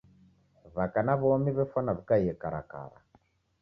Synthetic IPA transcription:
βakanaβɔɔmiβɛfanaβikaijɛkaɾa̰ka̰ɾa̰

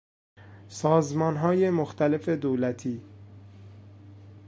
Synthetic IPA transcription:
sɒːzmɒːnɦɒːje̞moxt̪ʰæle̞fe̞d̪oːlæt̪ʰiː

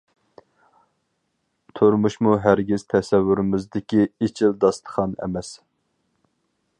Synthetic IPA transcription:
t̪ʰoɾmuʃmuɦæɾɡʲiz̥t̪ʰɛsɛvːyɾɪmɪzd̪ɪkʲiit͡ʃʰild̪ɑst̪ʰə̥χɑnɛ̰mɛs

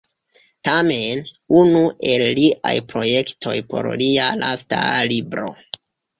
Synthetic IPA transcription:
tame̞nunuʔe̞lːiʔajpɾo̞je̞ktʰo̞̰jpo̞̰ɾlialʔa̰stalibɾo̞̰

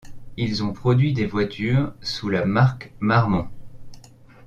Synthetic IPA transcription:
ilzɔ̃pχɔd̪ɥid̪evwat̪ʰyːʁsulamaʁkmaʁmɑ̃

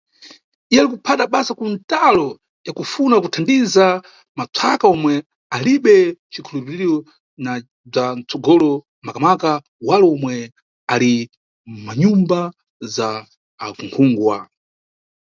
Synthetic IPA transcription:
ialikupʰataɓasakuntalɔ | jakufunakutʰandiza | mat͡sʰakaɔmwɛ | aliɓɛt͡ʃikʰulupiɾiɾɔ | na | b͡ʐant͡sɔɡɔlɔ | makamaka | walɔɔmwɛ | ali | maɲumba | zaː | kuŋkʰuːŋɡwa̰

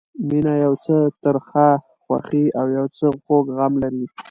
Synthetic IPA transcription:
minajawt͡sət̪əɾxa | xwa̰xiawjawt͡səɣoɡɣamlaɾi

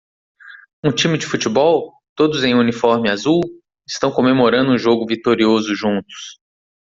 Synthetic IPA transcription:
ũt͡ʃĩmɪd͡ʒɪfut͡ʃibɔw | t̪od̪ʊzẽj̃unifɔɾmɪazuw | ɪst̪ɐ̃w̃kõmemoɾɐ̃nd̪ʊũʒoɡʊvit̪oɾiozʊʒũt̪ʊ̥s

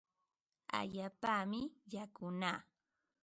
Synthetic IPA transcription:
a̰ʎaːpamɪjakʊnaː

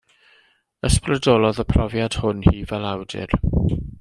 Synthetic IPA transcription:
əsprədɔlˠɔðəpʰrɔvjad̥hʊnhiːvɛlˠawdɪ̰r

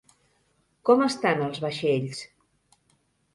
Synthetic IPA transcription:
kɔməst̪anəlˠzβəʃeʎs

